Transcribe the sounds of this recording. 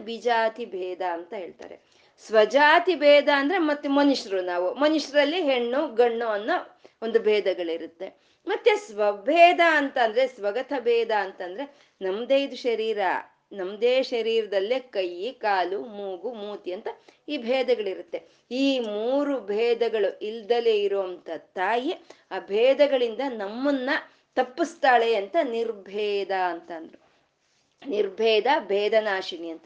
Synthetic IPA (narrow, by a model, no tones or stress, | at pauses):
bid͡ʒaːt̪ibʱɛːd̪ɐːnt̪ɐɦeːɭt̪a̰ːɾḛ | sʋɐd͡ʒaːt̪ibʱɛːd̪ʱɐːnd̪ɐɾemɐt̪ːumɐnuʂɐɾunaːʋumɐnuʂɐɾɐlːiɦeɳːuɡɐɳːuɐnːɐ | ond̪ubʱɛːd̪ɐɡɐɭiɾut̪ːe̞ | mɐt̪ːjesʋɐbʱɛːd̪ʱaɐnt̪ɐnd̪ɐɾesʋɐɡɐt̪ʰɐbʱɛːd̪ʱɐːnt̪ɐnd̪ɐɾe̞ | nɐmd̪eːjid̪uʃɐɾiːɾɐ̰ | nɐmd̪eːʃɐɾiːɾɐd̪ɐlːikɐjːikaːlumuːɡumuːt̪iɐnt̪ɐiːbʱɛːd̪ɐɡɐɭiɾut̪ːe̞ | iːmuːɾubʱɛːd̪ɐɡɐɭuʔild̪ɐleiɾuʋɐnt̪ɐt̪aːjeaːbʱɛːd̪ɐɡɐɭind̪ɐnɐmːɐnːɐ | t̪ɐpːist̪aːɭeɐnt̪ɐniɾbʱɛːd̪aɐnt̪ɐnd̪ɐɾu | niɾbʱɛːd̪ɐbʱɛːd̪ɐnaːʃiɳiɐnt̪ɐ